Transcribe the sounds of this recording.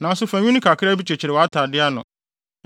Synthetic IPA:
nã˨n˦sʊ˦fæ̃˨ɲ̃ᶣũ˦nĩ˦kʰa˨kʰɪ˦ɾa˦bi˦t͡ɕʰɛ˨t͡ɕʰɪ˨ɾɪ˨wa˦tʰaː˨dɪ˦a˦nʊ̰̃˨

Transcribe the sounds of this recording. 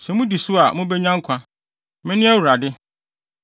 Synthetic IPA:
sɛ˨mʊ̃˦di˨sʊ˦a˨mʊ̃˦bɛ˦ɲã˦ŋ̩˦kʷʰã˦ | mɪ̃˦nɪ̃˦æ˦wu˨ɾa˨dɪ˦

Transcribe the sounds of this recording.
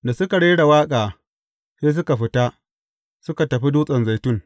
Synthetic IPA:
da˨sʊ˦ka˨ɽeː˦ɽa˨waː˦kʼaː˨ | seː˦s̬ʊ˦ka˨ɸɪ˦ta˦ | sʊ˦ka˨tɐ˨ɸi˦duː˦sʼɐ˨nza˨jtʊ˦ŋ

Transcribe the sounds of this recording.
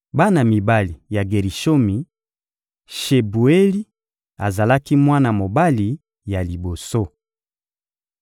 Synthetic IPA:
ba˦na˨mi˨ba˦li˨ja˨ɡe˨ʁi˨ʃo˦mi˨ | ʃe˨bu˨e˦li˦ | a˨za˨la˦ki˦mwa˦na˨mo˨ba˦li˨ | ja˨li˨bo˨so˦

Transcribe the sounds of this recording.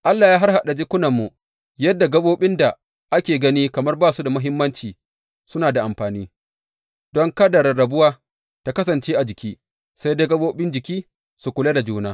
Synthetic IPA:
ʔa˦lːaː˨jaː˦ɦa˦rha˨ɗa˨d͡ʒɪ˦kʷʊ˦nɐ˨mːu˨ | jɐ˦dːa˨ɡɐ˦boː˦ɓɪ˦nda˨ | ʔa˦kʲeː˨ɡɐ˦niː˦kɐ˨mɐ˦rbaː˦˨su˦da˨mɐ˦ɦɪ˦mːɐ˦nt͡ʃiː˨ | sʊ˦naː˨da˨ʔa˨mɸaː˨niː˦ | dɔ˦ŋka˦dɐ˨ɾɐ˨ɽɐ˨bʊ˦waː˦ | ta˦kɐ˦s̬ɐ˨nt͡ʃeː˦ʔa˨d͡ʒɪ˨kʲiː˦ | sa˦jdeː˦ɡɐ˦boː˦ɓɪ˦nd͡ʒɪ˨kʲiː˦ | su˨kʷʊ˨le˦da˨d͡ʒuː˦naː˦

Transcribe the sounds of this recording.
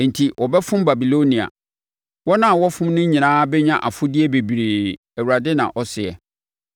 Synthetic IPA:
n̩˨tʰi˨wʔɔ˨bɛ˦fʊ̃˦mba˨bi˨lo˦nĩ˨a̰˨ | wɔ˦nã˦˨wɔ˦fʊ̃˦m˦nʊ̃˦ɲĩ˨nãː˦bɛ˦ɲã˦ʔa˨fʊ˦dɪ˦ɛ˦be˨bɾe˨ | æ˨wu˨ɾa˨dɪ˦nã̰˨ʔɔ˦sɪ˨ɛ̰˨

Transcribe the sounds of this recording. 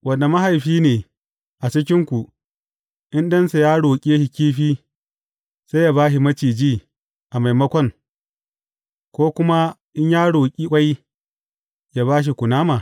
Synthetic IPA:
wʔɐ˨nda˨mɐ˦ɦa˨jɸiː˦neː˨ | ʔa˨t͡ʃɪ˦k̬ʲɪ˦ŋkʷu˨ | ʔɪ˦ndɐ˦nsa˨jaː˦ɽoː˨kʲʼeː˦ʃi˨kʲiː˦ɸiː˦ | sa˦jaː˦βaː˦ʃi˨mɐ˦t͡ʃiː˨d͡ʒiː˦˨ | ʔa˨ma˨jmɐ˦kʷɔ˦ŋ | kʷoː˦kʷʊ˦ma˦ʔɪ˦ɲjaː˦ɽoː˨kʲʼi˦kʷʼa˦j | jaː˦βaː˦ʃ̬i˨kʷʊ˨naː˦ma˨

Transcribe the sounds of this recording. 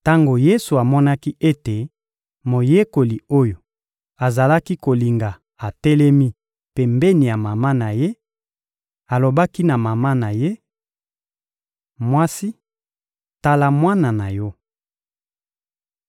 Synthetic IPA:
ta˦ŋɡo˨je˦su˨a˨mɔ˦na˦ki˦ʔe˦te˨ | mo˨je˦ko˨li˨o˦jo˨ | a˨za˨la˦ki˦ko˨li˨ŋɡa˨ | a˨tɛ˦lɛ˦mi˦ | pe˦mbe˦ni˨ja˨ma˨ma˦na˨je˦ | a˨lo˨ba˦ki˦na˨ma˨ma˦na˨je˦ | mwa˦si˦ | ta˦la˦mwa˦na˨na˨jɔ˦

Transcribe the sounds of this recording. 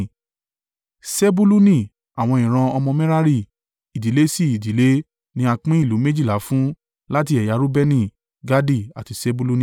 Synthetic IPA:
se˦bu˦lu˦nĩ˦˨ | a˨w̃ɔ̃˧ĩ˨ɾ̃ã˧ɔ˧mɔ̃˧mɛ̃˦ɾa˦ɾi˦˨ | i˨di˨˦le˦si˦˨i˨di˨˦le˦ | nĩ˧˦a˧k͡pĩ˦i˦˨lu˨˦me˦d͡ʒi˦˨la˨˦fũ˦ | la˦t̬i˧ɛ˨ja˧˦ɾu˦bɛ˦nĩ˦˨ | ɡa˦di˦˨a̰˨ti˨˧se˦bu˦lu˦nĩ˦˨

